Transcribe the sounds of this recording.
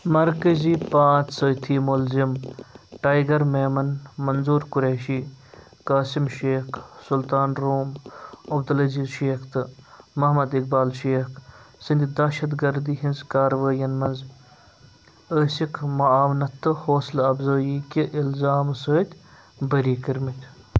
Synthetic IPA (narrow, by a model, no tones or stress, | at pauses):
mɐɾkɐziːpãːt͡ʃʰsəːt̪ʰiːmulzimʈaːjɡɐɾmeːmɐnmɐnzuːɾkʊɾeːʃiː | kaːsimʃeːkʰsʊlt̪aːnɾoːmɐbd̪ɐlɐziːzʃeːkʰt̪ɨmɐɦmɐd̪ik̚baːlʃeːkʰsind̪ʲd̪ɐʃɐd̪ɡɐɾd̪iːɦinzkaːɾʋaːjɐnmɐnz | əːsikʰmɐaːʋnɐt̪ːɨhoːslɐbzoːjiːkʲiʔɪlzaːmɨsəːt̪ʲʰ | bəɾiːkiɾmit̪ʰʲ